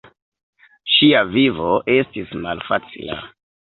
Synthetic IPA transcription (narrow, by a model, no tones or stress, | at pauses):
ʃiavivoʔe̞stismalfat͡sḭla̰